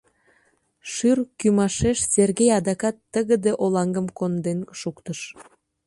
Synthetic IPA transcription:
ʃyrkymɑʃeʃz̥erɣejɑd̪ɑkɑt̪ːəɣəd̪eʔolɑŋɡəmkond̪enʃukt̪əʃ

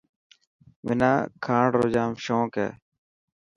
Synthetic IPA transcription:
ʋɪnaːkʰaːɳɖɾoːd͡ʒaːmʃõːkḛː

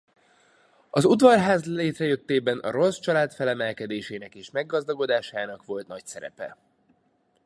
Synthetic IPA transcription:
ɒzud̪vɒrɦaːzleːt̪rɛjø̞t̪ːeːbɛnʔɒ̰ɾo̞st͡ʃɒlaːt̪fɛlɛmɛlkɛd̪eːʃeːnɛkeːʃmɛɡːɒzd̪ɒɡo̞d̪aːʃaːnɒkʋo̞lt̪nɒcsɛɾɛ̰pɛ̰

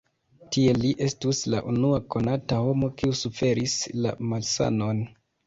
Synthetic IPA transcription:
tie̞liʔe̞stusla̰ʔunuako̞nataho̞mo̞kiusufe̞ɾisla̰malsa̰no̞n

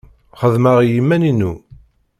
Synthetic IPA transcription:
χəðməʁjimːæninu

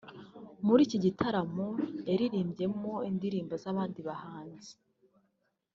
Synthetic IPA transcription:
muɾiːciɟitʰaɾamoeɾiɾiːmbɟe̞mo̞indiɾiːmbozaːβaːndiβahaːnzi̥

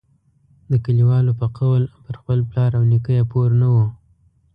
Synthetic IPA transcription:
d̪əkaliwɑlopəqawlpəɾxpəlplɑɾawnikəjapoɾnawu

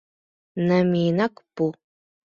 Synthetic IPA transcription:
nɐmiːnɐkpu

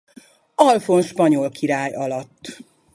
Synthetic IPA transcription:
ɒlfo̞nʃpɒɲo̞lkʰiɾaːjɒlɒt̪ː

